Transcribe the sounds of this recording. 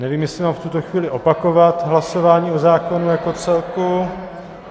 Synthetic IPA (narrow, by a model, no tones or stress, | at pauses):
nɛviːmjɛslɪmaːmft̪ut̪o̞xviːlɪʔo̞pako̞vat̪ɦlaso̞vaːɲiːo̞zaːko̞nujako̞t͡sɛlku